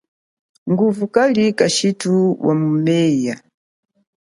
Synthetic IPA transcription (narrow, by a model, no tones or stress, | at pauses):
ŋɡuvukalikaʃituwa̰mumɛja